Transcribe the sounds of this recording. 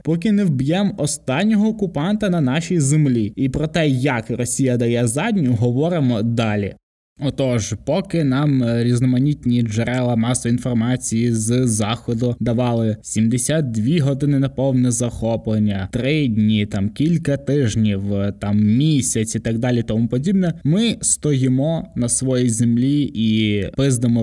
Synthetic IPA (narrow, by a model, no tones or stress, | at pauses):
pɔk̬ɪnɪwbjɛmɔst̪ɑnʲːɔɦɔːkʊpɑnt̪ɐnɐnɑʃʲijzemlʲiipɾɔt̪ɛjɐkrɔsʲijɐd̪ɐjɛzɑdʲnʲʊɦɔʋɔɾɪmɔd̪ɑlʲḭ | ɔt̪ɔʒpɔkɪnɑmɾʲiznɔmɐnʲit̪ʲnʲid͡ʒeɾɛlˠɐmɑsɔinfɔrmɑt͡sʲijizzɑxɔd̪ʊd̪ɐʋɑlˠɪsʲimd̪esʲat̪̚d̪ʲʋʲiɦɔd̪ɪnɪnɐpɔwnɛzɐxɔplˠenʲːɐt̪ɾɪdʲnʲit̪ɑmkʲilʲkɐt̪ɪʒnʲiwt̪ɑmmʲisʲɐt͡sʲit̪ɑɡ̚d̪ɑlʲit̪ɔmupɔdʲibnɛmɪst̪ɔjɪmɔnɐsʋɔjijzemlʲiipɪzd̪emɔ